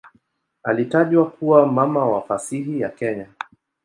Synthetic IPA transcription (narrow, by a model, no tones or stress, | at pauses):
alitaʄwakuwamamawafasiɦijakɛɲa